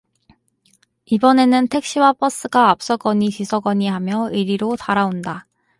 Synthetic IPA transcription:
ibʌne̞nɯntʰe̞k̚ɕ͈iwap͈ʰʌs͈ɯɡaap̚s͈ʌɡʌɲit͡ɕisʰʌɡʌɲiɦamjʌiɾiɾotaɾaonda

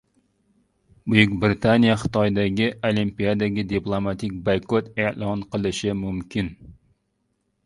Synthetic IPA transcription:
bujykʲbɾɪt̪ʰanijɛχə̥t̪ɑjd̪ɛɡʲiolˠimpijad̪ɛɡʲid̪iplˠomɑt̪ʰɪk̚ʲbɑjkʰot̪eʔlˠɑnqəlˠɨʃɪmumkʲʰin

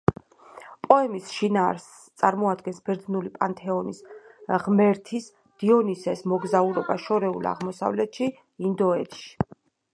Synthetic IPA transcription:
pʼɔɛmisʃinaːɾs | t̪sʼaɾmɔad̪ɡɛnsb̥ɛɾd̪nulipʼant̪ʼʰɛɔnisʁmɛɾt̪ʰis | d̪̥iɔnisɛsmɔɡzauɾɔbaʃɔɾɛulˠa̰ʁmɔsa̰vlɛt̪ʃi | ind̪ɔɛt̪ʃi̥

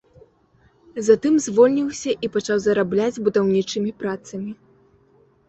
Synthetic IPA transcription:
zat̪ɨmzʲvɔlʲnʲiwsʲɐʔipat͡ʂawzɐɾablʲad͡zʲbud̪awnʲit͡ʂɨmʲipɾat̪sɐmʲi

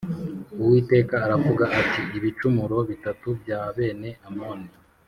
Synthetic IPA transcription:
uwiːte̞ːkaːɾavuɡaʔatiiβit͡ʃumuɾo̞βitatubjaːβe̞ːne̞ʔamoːne

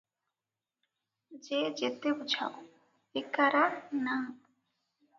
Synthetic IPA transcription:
d͡ʑed͡ʑet̪ebud͡ʑʱa̰o | ekaɾana

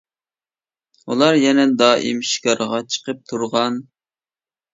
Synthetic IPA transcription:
ulˠɑɾjɛnɛd̪ɑːʔḭmʃi̥kʰɑɾʁɑt͡ʃʰə̥qʰəp̚t̪ʰuɾʁɑn

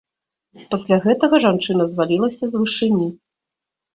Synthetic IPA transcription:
pasʲlʲaɣɛt̪ɐɣɐʐant͡ʂɨnɐzvalʲilˠɐsʲɐzvɨʂɨnʲi

